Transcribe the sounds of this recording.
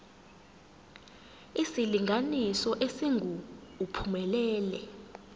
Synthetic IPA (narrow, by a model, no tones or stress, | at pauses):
isiliŋɡʱanisɔʔesiŋɡʱuːpʰumɛlɛːlɛ